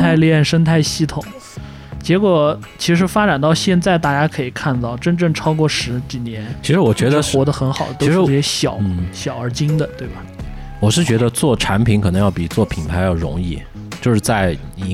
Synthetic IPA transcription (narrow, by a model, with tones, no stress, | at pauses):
t̪ʰa˥˧ɪljɛ˥˩nʂə˥nt̪ʰa˥˩ɪɕi˥˩t̪ʰʊ˨˩˦ŋ | t͡ɕjɛ˧˥kwɔ˨˩ | t͡ɕʰi˧˥ʂ̬ɻ̩˧˥fa˥ʈ͡ʂa˨˩nt̪ɑ˥˧ʊɕjɛ˥˧nt͡sa˥˧ɪt̪a˥˩t͡ɕja˥kʰɤ˧˥i˨˩kʰa˥˧nt̪ɑ˥˩ʊʈ͡ʂə˥nʈ͡ʂɤ˥˩ŋʈ͡ʂʰɑ˥ʊkwɔ˥˩ʂɻ̩˧˥t͡ɕi˨˩njɛ˧˥nt͡ɕʰi˧˥ʂɻ̩˧˥wɔ˨˩t͡ɕɥɛ˧˥d̪ə˧wɔ˧˥d̪ə˧xə˧˥nxɑ˨˩ʊd̪ə˦t̪o˥˧˥ʂɻ̩˧˥˩ɛ˧˥ɕjɑ˨˩˦ʊɕjɑ˨˩ʊə˞˧˥t͡ɕi˥ŋd̪ə˨t̪we˥˩ɪbɐ˩ | wɔ˨˩ʂɻ̩˥˩t͡ɕɥɛ˧˥d̪ə˧t͡swɔ˥˩ʈ͡ʂʰa˧˥npʰi˧˥nŋkʰɤ˨˩nɤ˧˥ŋjɑ˥˩ʊpi˨˩t͡swɔ˥˩pʰi˨˩npʰa˧˥ɪjɑ˥˩ʊɻʊ̰˧˥ŋḭ˥˩ | t͡ɕjo˥˧ʊʂɻ̩˥˧˩t͡sa˥˩ɪ˧˥